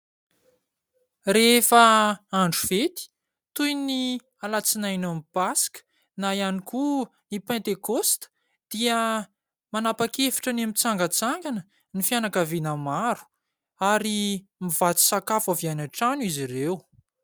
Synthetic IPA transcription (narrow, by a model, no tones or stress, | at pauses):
refəaɳɖ͡ʐuvet̪i̥ | t̪ujni | alat͡sinajnamipaskə̥ | najaniku | nipɛ̃nt̪ekost̪ə̥ | d̪̥iə | manapakefi̥ʈ͡ʂənamit͡saŋɡət͡saŋɡanə | nifianakavinəmaɾu̥ | aɾi | miv̥at͡s̪i̥sakafavianaʈ͡ʂanuizirew